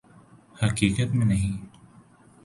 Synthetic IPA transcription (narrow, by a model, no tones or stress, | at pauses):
hɐkiːkət̪mẽnɐɦĩ